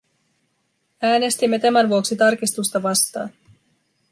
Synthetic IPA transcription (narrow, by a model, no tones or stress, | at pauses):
æːne̞st̪imːe̞t̪æmænʋuoksit̪ɑrk̟ist̪ust̪ɑʋɑst̪ɑ̰ːn